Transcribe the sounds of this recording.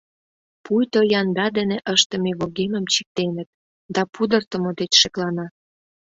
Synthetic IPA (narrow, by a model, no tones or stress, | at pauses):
pujt̪ojɑnd̪ɑd̪eneʔəʃt̪ə̆meβoɣemə̆mt͡ɕi̥k̚t̪enə̆t̪̚ | d̪ɑpud̪ərt̪ə̆mod̪et͡ɕʃeklɑnɑ